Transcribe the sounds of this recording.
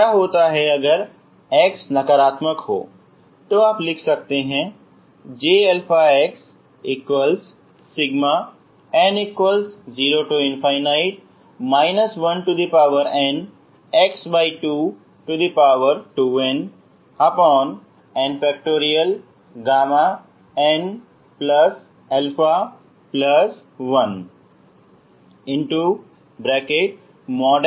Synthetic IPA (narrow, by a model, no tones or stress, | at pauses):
aɦoːt̪aɦɛɐɡəɾ | eksnɐkəɾaːt̪məkɦo̰ː | t̪oaːplɪkʰsɐk̚t̪eɦɛ̃ | d͡ʒeːelpʰaeks | ɪkwəlsː | ɪɡma | ɛ̃ɖɪkwəlsd͡ʒiːɾoʈuɪnfaːɪnaːɪʈ̚ | maːɪnəsʋɐnʈud̪ipaːʋəɾɛ̃ːɳɖ | eksbaɪʈu | ʈud̪ipaʋəɾʈuʋẽn | əpɔ̃ːn | ɛ̃ɳɖfɛkʈoːɾiəl | ɡaːma | ɛ̃ɳɖ | plʌs | ɛlfa | pləs | ʋʌ̃n | ɪ̃ɳʈu | bɾɛkeʈ̚ | mɔːɖ